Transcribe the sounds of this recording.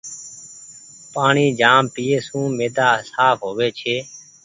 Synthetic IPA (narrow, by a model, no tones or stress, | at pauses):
paːɳiːd͡ʒaːmpiːeːsũːmeːd̪aːsaːpʰɦoːʋeːt͡ʃʰeː